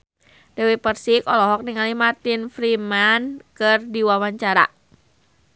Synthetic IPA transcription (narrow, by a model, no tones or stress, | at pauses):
d̥ɛwipərsikɔlɔɦɔk̚niŋalihmart̪infɾimankɨrdiwawaɲt͡ʃaɾa̰